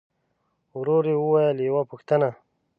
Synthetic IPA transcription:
wɾoɾewəwajəljawapəxt̪əna

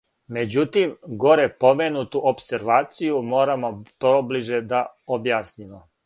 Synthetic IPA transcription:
me̞d͡ʑut̪imɡo̞ɾepo̞menut̪uʔopseɾʋaːt̪sijumo̞ːɾamopɾobliʒed̪aobjaːsnimo

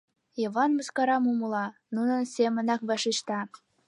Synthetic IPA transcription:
jɤβɑnmə̆skɑɾɑmumɤ̆lɑnunə̆nsʲemə̆nɑkβɑʃiʃt̪ɑ

